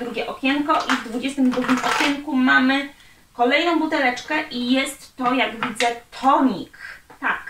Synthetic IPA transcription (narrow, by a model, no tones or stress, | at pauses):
d̪ɾuɡʲɛʔɔkʲɛŋkɔʔivd̪vud͡ʑɛst̪ɘmd̪ɾuɡʲimʔɔkʲɛŋkumamɘ | kɔlɛjnɔ̃w̃but̪ɛlɛt͡ʂkɛʔijɛst̪ːɔjaɡvʲid̪zɛt̪ʰɔɲikt̪ak